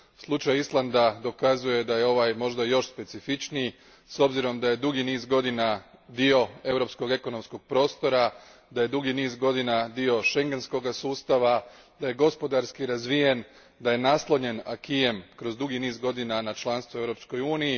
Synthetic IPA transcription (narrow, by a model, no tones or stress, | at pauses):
slˠut͡ʃajislˠand̪ad̪o̞kazuje̞d̪aje̞o̞ʋajmo̞ʒd̪ajo̞ʃspe̞t̪sifit͡ʃni | so̞bziɾo̞md̪aje̞d̪uɡiniːzɡo̞d̪inad̪io̞e̞vɾo̞psko̞ɡe̞ko̞no̞msko̞ɡ̥̚pɾo̞ːst̪o̞ɾad̪aje̞d̪uɡiniːzɡo̞d̪inad̪io̞ʃe̞ŋɡe̞nsko̞ɡasuːst̪aʋa | d̪aje̞ɡo̞spo̞d̪aɾskiɾazʋije̞n | d̪aje̞naslˠoɲe̞nakijemkɾo̞zd̪uɡiniːzɡo̞d̪inanat͡ʃlˠanst̪ʋuevɾo̞psko̞juːniji